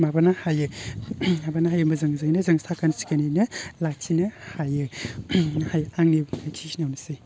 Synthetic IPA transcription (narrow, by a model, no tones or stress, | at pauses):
mabanahajɯ | mabanaɦajɯmɐzɯŋzajnɐzɯŋsakansi̥kanijnɐlak̚t͡ʃʰinɐhajɯ | hajaŋnibajkʰisinawnɯsej